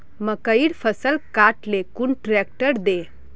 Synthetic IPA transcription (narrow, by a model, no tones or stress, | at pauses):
məkəiːɽfʰəsəlkaʈlekuɳʈɾɛk̚ʈəɾd̪e